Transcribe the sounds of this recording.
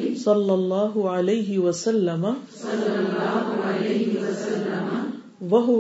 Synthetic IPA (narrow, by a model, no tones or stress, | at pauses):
sˤɑlːɑlˤːɑːɦʊʕalajɦɪwɐsɐlːɐmɐ | wɐɦʊ